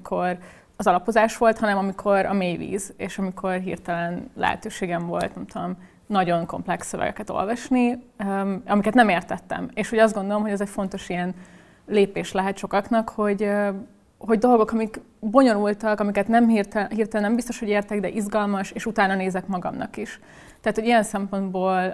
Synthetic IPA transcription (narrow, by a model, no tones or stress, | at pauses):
kʰor | ɒzɒlɒpo̞zaːʃʋo̞lt̪hɒnɛmɒmikʰo̞ɾɒ̰meːjʋḭːzeːʃɒmikʰo̞rɦḭrt̪ɛlɛnlɛ̰ɦɛ̰t̪øːʃeːɡɛɱvo̞̰lt̪nɛmt̪ud̪o̞m | nɒɟo̞nko̞̰mplɛksːøvɛ̰ɡɛ̰kɛt̪o̰lvɒʃni | ɒmikɛt̪nɛmeːrt̪ɛt̪ːɛ̰meːʃho̞ɟɒzd̪ɡo̞nd̪o̞lo̞mɦoɟɛzɛcfo̞n̪t̪o̞ʃijɛn | leːpeːʃlɛɦɛt̪ʃo̞kɒknɒkho̞ɟ | ɦo̞ɟd̪o̞lɡo̞kɒmik | bo̞ɲo̞nult̪ɒkɒmikɛt̪nɛmɦirt̪ɦirt̪ɛlɛnɛmbist̪o̞ʃho̞ɟeːrt̪ɛɡd̪ɛʔizɡɒlmɒʃeːʃut̪aːnɒneːzɛkmɒɡɒ̰mnʔɒ̰kiʃ | t̪ɛaːt̪ho̞ɟijɛnsɛmpo̞nd̪boːl